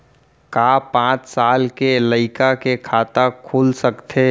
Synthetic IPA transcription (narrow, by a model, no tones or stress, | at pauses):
kaːpãːt͡ʃsaːlkeləɪkakekʰaːt̪akʰuːlsəkt̪ʰeː